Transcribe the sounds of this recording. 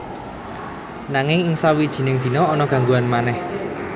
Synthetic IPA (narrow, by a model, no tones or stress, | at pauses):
naŋɪŋɪŋsawid̥ʒ̥i̤nɪŋd̪̥i̤nɔːnɔɡ̥ä̤ŋɡuanmanɛh